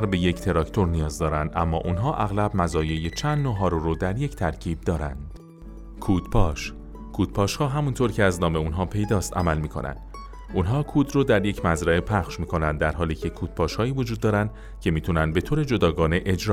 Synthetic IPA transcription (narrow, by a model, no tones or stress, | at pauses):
ɾbe̞je̞ct̪ʰe̞ɾɒcʰt̪ʰo̞ɾnijɒːzd̪ɒːɾænd̪ʔæ̰mːɒ̰ːʔunɦɒːʔæɣlæbmæzɒːje̞jet͡ʃʰænd̪noɦɒːɾoɾod̪æɾje̞ct̪ʰæɾcʰiːb̚d̪ɒːɾæ̰nd̪̥ | kʰuːd̪̥pʰɒːʃ | kʰuːd̪̥̚pʰɒːʃhɒːɦæmunt̪ʰoɾcʰeæznɒːme̞unɦɒːpʰe̞jd̪ɒːst̪æ̰mælmiːkʰo̞̰nʔæ̰nd̪̥ | unɦɒːkʰuːd̪roːd̪æɾje̞cʰmæzɾæepʰæχʃmiːko̞nænd̪ːæɾɦɒːliːcʰe̞kʰuːd̪̥pʰɒːʃhɒːiːvod͡ʒuːd̪ːɒːɾænd̪̥ | cʰe̞miːt̪ʰunænd̪̚be̞t̪ʰoːɾe̞d͡ʒo̞d̪ɒːɡɒːne̞ʔed͡ʒɾɒː